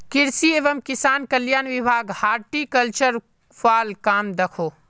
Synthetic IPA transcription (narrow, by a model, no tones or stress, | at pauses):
kɪɾsieːʋəmkɪsaːnkɐljaːnʋɪbʱaːɡhaːɾʈikɐlt͡ʃəɾ | faːlkaːmd̪ɐkʰoː